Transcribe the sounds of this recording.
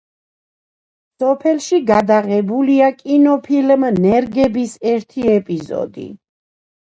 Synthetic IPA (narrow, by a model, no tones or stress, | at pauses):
sɔpʰɛlʃiɡad̪aʁɛbuliakʼinɔpʰilmnɛɾɡɛbisɛɾt̪ʰiɛpʼizɔ̰d̪ḭ